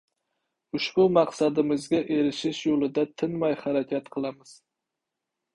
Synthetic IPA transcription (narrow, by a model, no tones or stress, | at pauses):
ʊʃbʊmɑqsad̪ɪmɪzɡʲaʔe̞ɾɪʃɪʃjolˠɪd̪at̪ʰɪnmajhaɾakʲʰat̪qʰɨlˠamɪz̥